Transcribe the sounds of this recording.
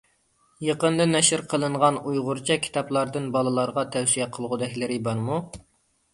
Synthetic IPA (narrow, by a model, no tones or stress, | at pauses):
jəqənd̪ɨnɛʃɪɾqʰəlˠɨɴʁɑnujʁʊɾt͡ʃʰɛkʲʰi̥t̪ʰɑplˠɑɾd̪ɨnbɑlˠɨlˠɑɾʁɑt̪ʰɛwsijɛqʰəlˠʁʊd̪ɛkʲlɪɾɪbɑɾmu